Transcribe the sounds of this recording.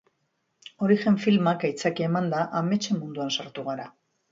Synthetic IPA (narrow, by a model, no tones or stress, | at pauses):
o̞ɾiʝe̞ɱfilmakajt͡sakeːmand̪aʔame̞t͡ʃe̞mːund̪uansaɾt̪uɣ̞aɾa